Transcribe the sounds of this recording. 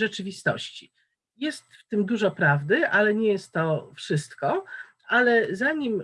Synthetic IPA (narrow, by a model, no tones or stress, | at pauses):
ʐɛt͡ʂɘvʲist̪ɔ̰ɕt͡ɕi | jɛst̪ft̪ɘmd̪uʐɔpɾavd̪ɘʔalɛɲɛjɛst̪ːɔfʂɘst̪kɔ | ʔalɛzaɲim